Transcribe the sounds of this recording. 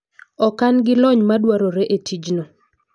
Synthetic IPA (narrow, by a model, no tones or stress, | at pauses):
ɔkanɡɪlɔɲmadwaɾɔɾɛʔetʰid͡ʒnɔ